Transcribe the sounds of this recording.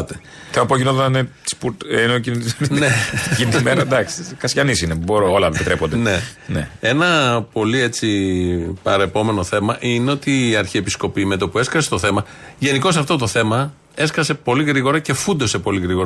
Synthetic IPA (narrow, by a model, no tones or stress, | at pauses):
t̪e | θeoɐpoʝinoðnei̥spuɾt̪enocinekint̪imenɾɐd̪ɐksi̥kɐsçɐnisineboɾoolɐepit̪ɾepond̪enenḛe̞nɐpo̞lie̞t͡sipɐ̰ɾɐepo̞me̞no̞θe̞mɐʔineo̞t̪iːɐɾçiepisko̞pime̞t̪opue̞skɐse̥t̪oθe̞mɐ | ʝe̞niko̞sɐft̪o̞t̪o̞θe̞mɐ | e̞skɐse̞po̞liɣɾiɣo̞ɾɐce̞fund̪o̞se̞po̞liɣɾiɣoɾ